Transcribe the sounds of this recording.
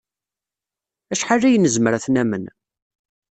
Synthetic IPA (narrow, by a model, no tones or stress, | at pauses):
æʃħarːæjnːəzməɾæθnæmən